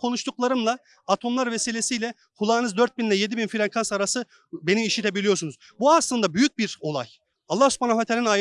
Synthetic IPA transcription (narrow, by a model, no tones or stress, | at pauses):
kʰo̞nuʃt̪ʰuklˠaɾɯmlˠaː | t̪ʰo̞mlˠaɾve̞silʲe̞sijlʲɛ | hulˠaːnɯzd̪øɾt̪̚binlʲɛje̞d̪ibinfilʲankʰansaɾasɯ | be̞nimiʃit̪ʰebilʲijosunuz | buaslˠɯnd̪abyjyc̚biɾo̞lˠa̰j | alˠːahsu̥pʰanafat̪ʰelʲina